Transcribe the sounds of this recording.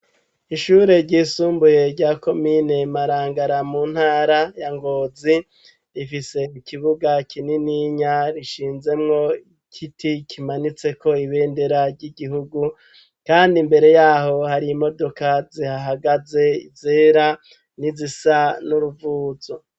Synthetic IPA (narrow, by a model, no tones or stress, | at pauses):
iʃuːɾe̞ɾɟiːsuːmbuje̞ɾɟako̞mine̞maɾaːŋɡaɾamuːn̥haːɾajaŋɡo̞ːzi | ɾifise̞ikiβuɡakʰininiɲaɾiʃiːnze̞mŋo̞ikʰitʰikʰimanit͡se̞ko̞iβe̞ːndeɾaɾɟiɡiɦuɡu | kaːndimbe̞ɾe̞jaːɦo̞haɾimo̞do̞kazihaɦaɡaze̞ḭzeːɾa | nizisanuɾuvuːzo